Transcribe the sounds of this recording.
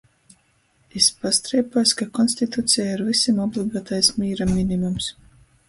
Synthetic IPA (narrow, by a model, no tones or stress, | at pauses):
ispast̪ɾɛːpuɔskakɔnst̪it̪ut̪sijaiɾvisimɔblˠiɡaːt̪ajsmʲiːɾamʲinimums